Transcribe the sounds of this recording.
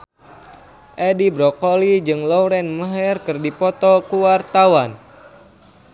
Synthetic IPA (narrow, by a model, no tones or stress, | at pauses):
ʔɛdibɾɔkolid͡ʒɨŋlɔwɾɛnmaɦɛrkɨrdipɔt̪ɔkuwart̪awan